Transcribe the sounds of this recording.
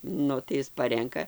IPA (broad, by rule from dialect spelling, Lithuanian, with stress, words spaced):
ˈnʊ tɐɪ ˈɪs ˈpɑːrʲɛŋkɐ